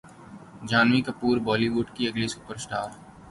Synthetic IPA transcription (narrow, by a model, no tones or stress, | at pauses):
d͡ʒaːnʋikɐpuːɾbɔːliʋuːɖkiɐɡlisupəɾsʈaːɾ